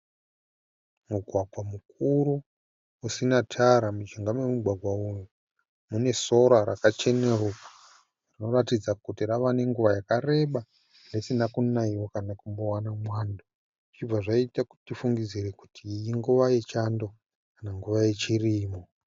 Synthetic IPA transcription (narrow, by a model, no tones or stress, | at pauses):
muɡʱwaɡʱwamuk̚uɾu | usinatʰaɾamut͡ʃiŋɡamwemuɡʱwaɡʱwauju | mune̞so̞ɾaɾakat͡ʃe̞neruku̥ | rino̞ratid͡zakutiraʋane̞ŋɡuʋajakare̞ɓa | nde̞sinakunaiwokanakumbo̞wanamwaːndo | it͡ʃib͡vaʐaitaku̥tifuŋɡid͡ziɾe̞ku̥tʰiːjiŋɡuʋaje̞t͡ʃando̞ | kanaŋɡuʋaje̞t͡ʃiriːmo